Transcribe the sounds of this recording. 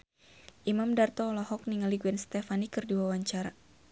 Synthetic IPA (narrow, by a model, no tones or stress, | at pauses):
ʔimamdart̪ɔːlɔɦɔk̚niŋaliɡuɛnst̪ɛfanikɨrdiwawaɲt͡ʃaɾa